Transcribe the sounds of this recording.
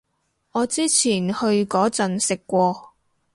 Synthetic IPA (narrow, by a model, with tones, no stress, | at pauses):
ɔː˨˧t͡siː˥t͡sʰiː˨˩nhɵ˧ɥkɔː˨˥t͡sɐ˨˩nsɪ˨kːʷɔː˧